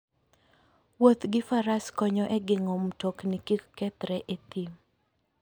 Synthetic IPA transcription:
wot̪ɡɪfaɾaskɔɲɔʔɛɡɪŋomtoknikikkɛt̪ɾɛʔet̪im

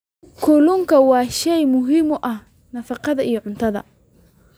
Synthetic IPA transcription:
kʰʊlʊŋkʰɐwɑːʃɛjmʊɦɪmɔʔɐh | nɐfɑqɑðɐijɞʕʊnt̪ʰɐðɐ̰

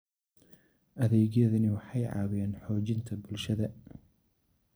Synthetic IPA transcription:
ʔɐðɛːɣjɐðɐnɪwɑħɑjʕɑ̰ːwɪjɛːnħɔːt͡ʃɪnt̪ʰɐbʊlʃɐðɐ

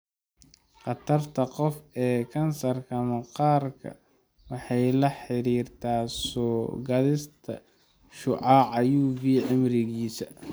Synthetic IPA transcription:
qɑt̪ʰɐrt̪ʰɐqɔfɛːkʰɐnsɐrkʰɐmɐqɑːrkʰɐ̰ | wɑħɑjlɐħɪɾiːrt̪ʰaːsɔːɡɐðɪst̪ʰɐ̰ | ʃʊʕɑʕɑjuːβiːʕɪmɾɪɣiːsɐ

